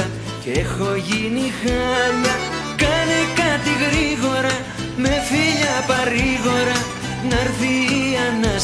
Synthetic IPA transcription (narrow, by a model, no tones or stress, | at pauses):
a | kexoʝinixala | kanekat̪iɣɾiɣoɾa | mefiʎapariɣoɾa | naɾθiana